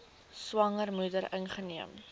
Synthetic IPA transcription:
swɐŋərmudəɾənχəniəm

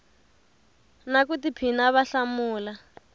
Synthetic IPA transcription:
nak̬utipʰinaβaɬamuːla

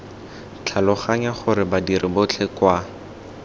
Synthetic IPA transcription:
t͡ɬʰalʊχaɲaχʊɾɪbadiɾɪbʊt͡ɬʰɛkwa

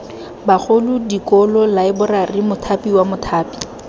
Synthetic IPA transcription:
bak͡xʰolʊdikɔlɔlaɪbʊrarɪmʊtʰapiwamʊtʰaːpi̥

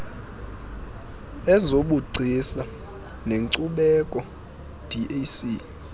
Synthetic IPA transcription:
ɛzoɓuɡ͡ǀʱisa | neŋǀuɓɛkʼɔ | d̥ʱiʔesi

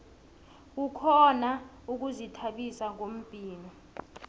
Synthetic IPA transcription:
k̬ukʰɔna | uk̬uzitʰaɓisaŋom̩pʼiːnɔ

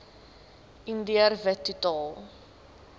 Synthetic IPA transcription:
indiərvətːutɑːlˠ

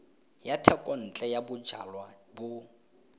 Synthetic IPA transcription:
jatʰɛkʼɔn̩t͡ɬʼɛjabʊd͡ʒʱa̰lwabʊ

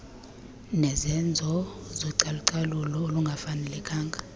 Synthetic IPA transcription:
nɛzɛnd͡zʱɔzoǀaluǀalulɔoluŋɡʱafanɛlɛkʰaːŋɡʱa

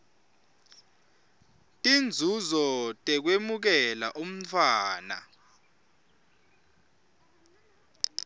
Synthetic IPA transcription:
tʼind͡zʱuzɔtʼɛk̬wemuk̬ɛlaʔum̩tʰwaːna̰

